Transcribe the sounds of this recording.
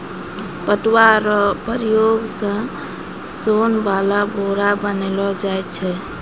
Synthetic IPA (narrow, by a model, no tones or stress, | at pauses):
pəʈwaɾɔpəɾijoɡsə̃ | sonbalaboɾabənelɔd͡ʒajt͡ʃʰɛ